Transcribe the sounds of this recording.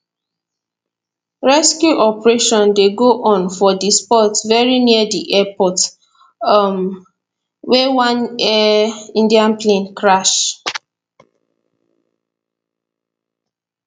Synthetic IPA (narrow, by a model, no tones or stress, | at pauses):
ɹɛskjuʔɔpɹeʃɔ̃ndeɡoʔɔ̃nfɔdispɔtvɛɹiniədiʔɛpɔt | m | wewãnɛĩndiãnplẽnkɹaʃ